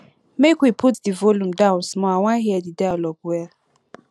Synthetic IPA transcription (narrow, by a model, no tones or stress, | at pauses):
mekwipʰutdivɔlũm̩dãʊ̃nsmɔawaɦiɛdidajalɔɡwɛ